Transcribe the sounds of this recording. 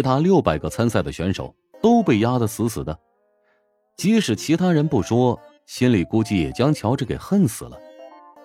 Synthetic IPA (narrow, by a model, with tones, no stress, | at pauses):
t͡ɕʰi˧˥t̪ʰa˥ljo˥˩ʊpa˨˩ɪɡə˦t͡sʰa˥nsa˥˩ɪd̪ə˩ɕɥɛ˧˥nʂo̰˨˩˦ʊ | t̪o˥ʊpe˥˩ɪja˥d̪ə˨sʰɹ̩˧˥sɹ̩˨˩d̪ə˦ | t͡ɕi˧˥ʂɻ̩˨˩t͡ɕʰi˧˥t̪ʰa˥ɻə˧˥npu˥˩ʂwɔ˥ | ɕi˥nli˨˩ku˥t͡ɕi˥˩jɛ̰˨˩t͡ɕjɑ˥ŋt͡ɕʰjɑ˧˥ʊʈ͡ʂ̩˥˩ke˨˩ɪxə˥˩nsɹ̩˨˩lə˦